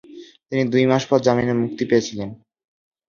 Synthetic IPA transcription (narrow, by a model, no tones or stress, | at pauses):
t̪inid̪ujmaʃpɔɾd͡ʑaminemuk̚t̪ipeet͡ɕʰilen